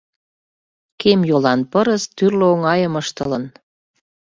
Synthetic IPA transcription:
kemjolɑnpəɾəst̪yrløoŋɑjəməʃt̪ələn

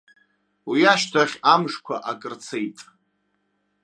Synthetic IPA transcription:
wiaʃtʰaχʲamʂkʷʰa̰ʔakʼɨrt͡sʰejtʼ

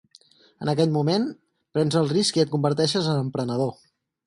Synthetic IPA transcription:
ənəkɛʎmumen | pɾɛnzəlˠriskiət̪̚kumbəɾt̪ɛʃəzənəmpɾənəð̞o

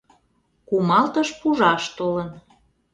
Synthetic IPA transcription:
kumɑlt̪əʃpuʒɑʃt̪olən

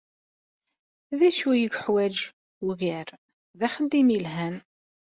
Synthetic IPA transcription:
ðæʃujəɡʷħwæd͡ʒ | uʝæɾ | ðæχəd̪imilɦæn

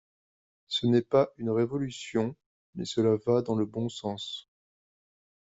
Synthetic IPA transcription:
sənɛpaʔynʁevɔlysjɔ̃ | mɛ̰səlavad̪ɑ̃ləbɔ̃sɑ̃s

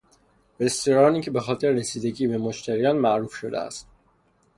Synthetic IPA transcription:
best̪oɾɒːniːcʰe̞bexɒːt̪ʰe̞ɾeɾesiːd̪e̞ɟiːbe̞moʃt̪ʰæɾijɒːnmæʔɾufʃo̞d̪ḛæ̰st̪

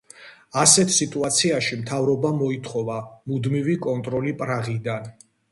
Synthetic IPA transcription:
asɛt̪ʰsit̪ʼuat̪sʰiaʃimt̪ʰavɾɔbamɔit̪ʰχɔvamud̪mivikʼɔnt̪ʼɾɔlipʼɾaʁid̪an

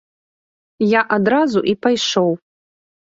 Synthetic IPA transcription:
jaʔadɾazuʔipʰajʂowpʼ

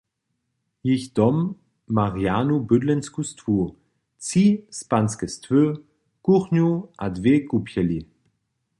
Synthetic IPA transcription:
jiçd̥ɔmː | aʁjaːnubødlɛnskustvu | t͡sispanskɛstvø | kuχnuʔadvekupʰjɛli

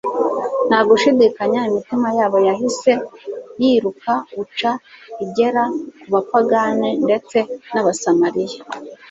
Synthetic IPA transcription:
n̥haɡuʃidikaɲaimitimajaːβo̞jaɦise̞jiɾukaut͡ʃaiɟe̞ɾakuβapaɡanende̞t͡se̞naβasamaɾija

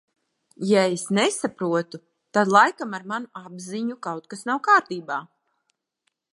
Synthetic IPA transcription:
jaesnɛsapɾuɔt̪u | t̪ad̪lˠajkamaɾmanuabziɲukawt̪̚kasnawkaːɾt̪iːbaː

